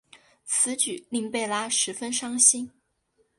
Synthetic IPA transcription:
t͡sʰɹ̩˧˥t͡ɕy˨˩˦li˥˧ŋpe˥˩ɪla˥ʂɻ̩˧˥fə˥nʂɑ˥ŋɕi˥n

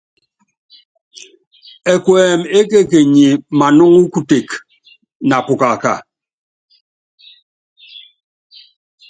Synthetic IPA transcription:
e˨kwɛː˨me˦ke˦ke˨ɲi˨ma˨nɔ˦ŋu˦ku˦te˨k | na˨pu˨ka˨ka̰˨

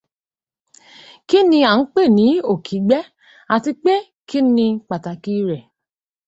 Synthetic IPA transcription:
ki˦nĩ˧a˨n̩˦k͡pe˦˨nĩ˨˦o˨kʰi˨˦ɡ͡bɛ˦ | a˨ti˧k͡pe˦ | kʰi˦nĩ˧k͡pa˨ta˨ki˦ɾɛ˨

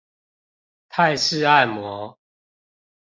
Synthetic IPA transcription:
t̪ʰa˥˨˧ɪʂɻ̩˥˧˨a˥˨ɪmwɔ˨˦

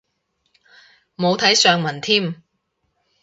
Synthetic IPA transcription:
mo˨˧wt̪ʰɐ˨˥jsœː˨˧ŋmɐ˨˩nt̪ʰiː˥˩m

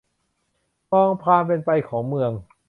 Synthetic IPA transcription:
pɔː˧ŋpʰaː˧mp̬e˧npa˧jkʰɔː˩˦ŋmɯ˧əŋ

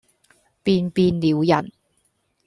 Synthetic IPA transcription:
piː˧npiː˧nliː˨˧wjɐ̰˨˩n

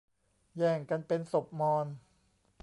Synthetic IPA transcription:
jɛː˨˩ŋka˧npe˧nso˨˩p̚mɔː˧n

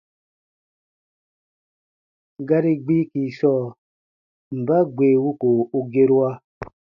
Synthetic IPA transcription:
ɡa˦ɾi˦ɡ͡bi˦ki˨sɔ˦˨ | m̩˨ba˦ɡ͡be˨wu˦ko˨u˦ɡe˦ɾu˦a˦

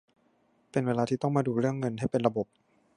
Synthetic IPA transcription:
pe˧nweː˧laː˧iː˧˩t̪ɔ˥˩ŋmaː˧duː˧ɾɯ˥˩əŋːɤ˧nha˥˩jpe˧nɾa˧bo˨˩p̚

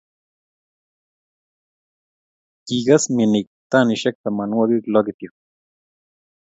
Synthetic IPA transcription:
ki˨ɡa˦smi˨ni˨k̚t̪a˦ni˨ʃe˦k̚t̪ama˨nwa˦ɡi˦klo˦d̪i˧t̪jo

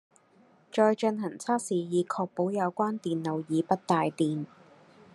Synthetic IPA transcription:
t͡ʃɔː˧jt͡ʃə˧nhɦɐ˨˩ŋt͡sʰaː˥k̚siː˨˩jiː˨˧kʰɔː˧k̚po˨˥wjɐ˨˧wkʷaː˥nt̪iː˨nlo˨wjiː˨˧pɐ˥t̚t̪aː˨˧jt̪iː˨n

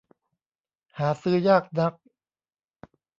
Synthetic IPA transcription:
haː˩˦sɯː˦˥ɐjaː˥˩k̚na˦˥k̚

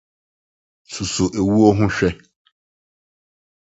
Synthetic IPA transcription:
su˨sʊ˨ʔe˨wu˦o˦ɦʊ̃˦ɕᶣɛ˦

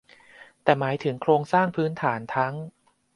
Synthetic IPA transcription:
t̪ɛː˨˩maː˩˦jt̪ʰɯ˩˦ŋkʰɾoː˧ŋsaː˥˩ŋpʰɯː˦˥nt̪ʰaː˩˦nt̪ʰa˦˥ŋ

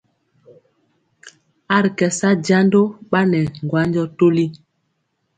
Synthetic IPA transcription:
a˦˨ɾkɛ˨sa˦d͡ʒa˦ndo˦ɓa˦nɛ˨ŋ˨ɡwa˦nd͡ʒɔ˦to˦li˦

